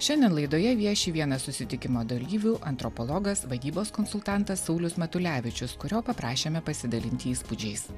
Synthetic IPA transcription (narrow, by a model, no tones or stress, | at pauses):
ʃʲɛnʲd̪ʲɛnlˠɐɪd̪oːjɛʋʲiɛʃʲiːʋʲiɛnɐsʊsʲɪt̪ʲɪkʲɪmoːd̪ɐlʲiːʋʲuːʔɐnt̪ɾɔpɔlˠɔɡɐsʋɐd̪ʲiːboːskɔnsʊlˠt̪ɑˑnt̪ɐsːɒʊlʲʊsmʲɐt̪ʊlʲæːʋʲɪt͡ʃʲʊskʊɾʲoːpɐpɾɑːʃʲeːmʲɛpɐsʲɪd̪ɐlʲɪnʲt̪ʲɪiːspʊd͡ʒʲɛɪs